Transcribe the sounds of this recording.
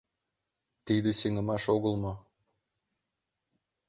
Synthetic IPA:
t̪id̪eseŋə̆mɑʃoɣə̆lˠmŏ

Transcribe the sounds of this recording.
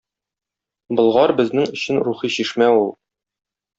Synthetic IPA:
bɤ̆lˠʁɑɾbɘ̆znɘŋɵ̆ɕɘnɾuχiɕiʃmæulˠ

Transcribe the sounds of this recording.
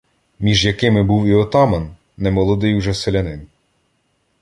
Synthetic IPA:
mʲiʒjɐkɪmɪbuwiɔt̪ɑmɐnː | ɛmɔlˠɔd̪ɪjwʒɛselʲɐnɪn

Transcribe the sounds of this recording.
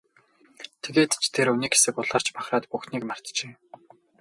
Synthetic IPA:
t̪ʰeɣeːt̪t͡ɕʰt̪ʰeɾuniːkxe̥sɘ̆kʊɮaːr̥t͡ɕpaχraːt̪puxniːknar̥t̪t͡ɕeː

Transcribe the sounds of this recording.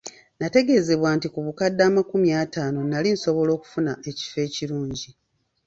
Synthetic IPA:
nate̞ɡe̞ze̞βwaːntikuβukadːaːmakumjaːtaːno̞nalinso̞βo̞lo̞ːku̥funae̞ci̥fe̞ːciɾuːɲɟi

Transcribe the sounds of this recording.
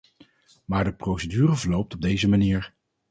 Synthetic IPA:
maːɹdəprowsədyːrəvəɹlowp̚tɔb̚dejzəmaniːɹ

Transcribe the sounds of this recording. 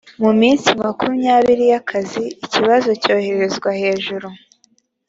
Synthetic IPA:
mumiːnsimakumjaːβiɾijakʰaziːciβazo̞co̞ːhe̞ɾe̞zɡwahe̞ːʒuɾu

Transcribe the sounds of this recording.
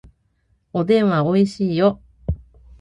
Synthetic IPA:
od̪ẽ̞ɰ̃βaoiɕiːjo

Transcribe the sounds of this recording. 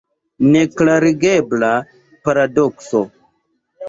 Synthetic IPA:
neklaɾiɡebla | paɾadokso

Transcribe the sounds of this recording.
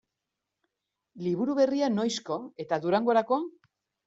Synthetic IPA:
liβ̞uɾuβe̞riano̞jsko̞e̞t̪aðuɾaŋɡo̞ɾako̞

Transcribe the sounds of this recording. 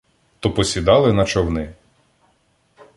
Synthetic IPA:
t̪ɔpɔsʲid̪ɑlˠɪnɐt͡ʃɔwnɪ

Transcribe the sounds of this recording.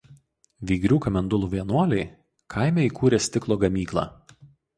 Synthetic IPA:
ʋʲiːɡɾʲuːkɐmʲɛnd̪ʊlˠuːʋʲiɛnuɔlʲɛɪ | kʰɐˑɪmʲɛiːˑkuːɾʲeːsʲt̪ʲɪklˠoːɡɐmʲiːklˠɑ̰ː

